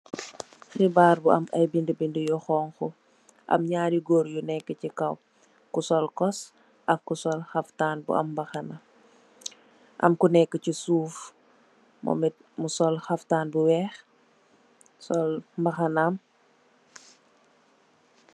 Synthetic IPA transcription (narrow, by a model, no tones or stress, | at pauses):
xibaːɾbuɐ̰mɐ̰jbindəbindəjɔxɔːŋxɔ | ʔɐ̰mɲaːdiɡɔːɾjunɛkːəcikɐw | kusɔlkɔs | ʔɐkːusɔlxɐftaːnbṵɐ̰mːbɐxɐnɐ | ʔɐ̰mkunɛkːəcisuːf | mɔ̰mit̚musɔlxɐftaːnbuwɛːx | sɔlmbɐxɐnam